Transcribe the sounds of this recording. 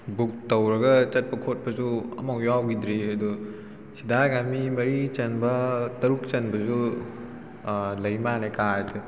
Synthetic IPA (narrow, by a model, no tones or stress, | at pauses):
buk̚tɐwɾɐɡɐt͡ʃɐt̚pɐkʰot̚pɐzuɐ̰mɐkjawɡidɾiɐdu | sidaɡamimɐɾit͡ʃɐnbɐtɐɾuk̚t͡ʃɐnbɐzu | lɐjmanekaɾdi